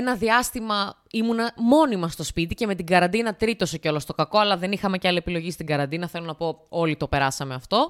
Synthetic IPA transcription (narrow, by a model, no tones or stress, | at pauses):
enɐðiɐst̪imɐ | imunɐmo̞nimɐst̪o̞spit̪ice̞me̞t̪iɡɐɾɐnd̪inɐt̪ɾit̪o̞soceo̞lo̞st̪okɐko̞ɐlɐðe̞nixɐme̞cɐliepilo̞ʝist̪iɡɐɾɐnd̪inɐθe̞lonɐpo̞o̞lit̪o̞pe̞ɾɐsɐme̞ɐft̪o̞